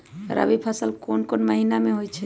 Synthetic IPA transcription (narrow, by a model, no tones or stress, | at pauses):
ɾʔə̰bipʰəsəlkonkonməɦinameɦojt͡ʃʰɛ